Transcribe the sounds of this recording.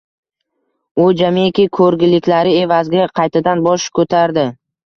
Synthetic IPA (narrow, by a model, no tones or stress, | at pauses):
ʊd͡ʒamekʲɪkʰɵɾɡʲɪlɪkʲlaɾɪe̞vazɡʲaqʰɑjt̪ʰad̪anbɒʃkʰɵt̪ʰaɾd̪ɪ